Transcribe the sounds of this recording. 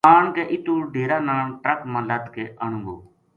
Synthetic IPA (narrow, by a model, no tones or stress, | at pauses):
aːɳkeːʔɪt̪uːɖʱeːɾaːnaːɳʈɾəkmãːlət̪keːʔəɳ̤̃ũŋɡo̰ː